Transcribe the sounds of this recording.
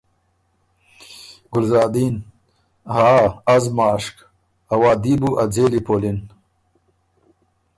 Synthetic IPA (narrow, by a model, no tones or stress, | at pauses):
ɡʊlzaːd̪iːn | haːɐzmaːʂk | ɐwaːd̪ibuʔɐd͡zeːlipoːlin